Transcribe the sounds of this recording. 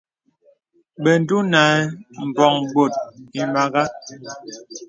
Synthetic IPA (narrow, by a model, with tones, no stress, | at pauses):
bɛ˨n˦du˦na˨˦m̩˨bɔ˨ŋɡ͡bo˨t̚i˨ma˨ɡa˦